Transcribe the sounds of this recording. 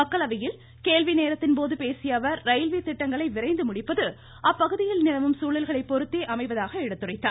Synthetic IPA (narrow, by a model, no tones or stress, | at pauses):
mɐkːɐɭɐʋɐjɪl | keːlʋineːɾɐt̪ːɪnpoːðɯpeːsɪjɐʋɐɾːɐɪlʋit̪ɪʈːɐŋɡɐɭɐɪʋɪɾɐɪnd̪ɯmʊɽɪpːɐðɯ | ʔɐpːɐɣɯðɪjɪlnɪlɐʋɯmsuːɭɪlɣɐɭɐɪpːɔɾɯt̪ːeːʔɐmɐɪʋɐðaːɣɐɪɽɐt̪ːɯrɐɪt̪ːaː